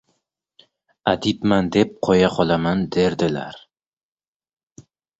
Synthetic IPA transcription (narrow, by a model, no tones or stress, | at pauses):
ad̪ipmand̪ep̚qʰɒjaqʰɒlˠamand̪e̞ɾd̪ɪla̰ɾ